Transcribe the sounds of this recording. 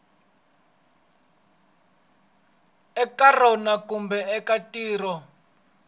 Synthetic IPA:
ɛkarɔnakumbɛɛkatʼiːrɔ

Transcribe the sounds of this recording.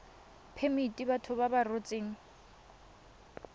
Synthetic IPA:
pʰemitʼibatʰʊbabarot͡sʼeːŋ̩

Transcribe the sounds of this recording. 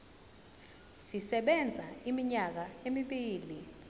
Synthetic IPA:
sisɛɓɛnd͡zʱaimiɲak̬aemiɓiːli

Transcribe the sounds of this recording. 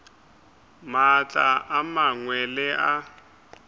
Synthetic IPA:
mat͡ɬʼa̰ʔamaŋwɛlɪʔa

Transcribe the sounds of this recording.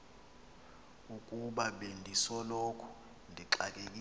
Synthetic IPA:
ukʼuɓaɓendʱisɔlokʰu̥ | ndʱiǁakʼek̬ʼi

